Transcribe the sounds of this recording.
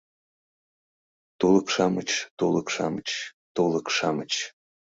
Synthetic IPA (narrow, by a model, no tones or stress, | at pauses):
t̪ulˠəkʃɑmət͡ɕt̪ulˠəkʃɑ̰mət͡ɕt̪ulˠəkʃɑmət͡ɕ